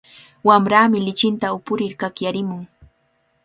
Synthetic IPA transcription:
wamɾaːmɪlɪt͡ʃɪnt̪aʊpʊɾɪɾkakjaɾɪmʊŋ

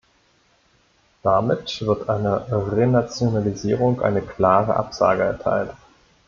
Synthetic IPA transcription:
d̥amɪtv̥ɪɐtʔaɪnəʁenat͡sjonaliziːʁ̞ʊŋkʔa̰ɪnəkʰl̥aːʁə̰ʔa̰pz̥a̰ːɡəɛɐtʰa̰ɪlt

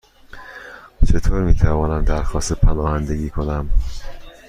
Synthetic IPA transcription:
t͡ʃʰe̞t̪ʰoːɾmiːt̪ʰævɒːnæmd̪æɾxɒːst̪epʰænɒːhænd̪e̞ɡiːkʰonæm

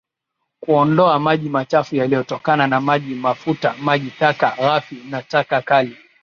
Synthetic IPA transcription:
kuɔndɔamaʄimat͡ʃafujalijɔtɔkananamaʄimafutamaʄitakaɣafinatakakali

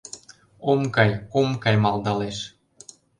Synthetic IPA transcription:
omkɑjomkɑjmɑlˠd̪ɑleʃ

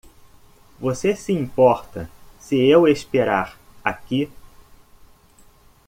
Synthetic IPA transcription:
vosesiĩpɔɾt̪ɐsɪewespeɾaɾaki

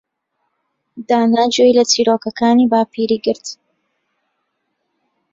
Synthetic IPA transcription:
d̪aːnaːd͡ʒoilɐt͡siːɾoːkɐkaːniːbaːpʰiːɾiːɡɨɾt̪

